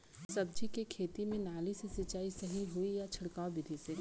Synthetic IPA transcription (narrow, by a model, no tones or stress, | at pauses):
sɐb̚d͡ʒikekʰeːt̪imẽnaːlisesɐt͡ʃːaːisɐɦiɦʊijat͡ʃʰɐɽkaːwbɪd̪ʱise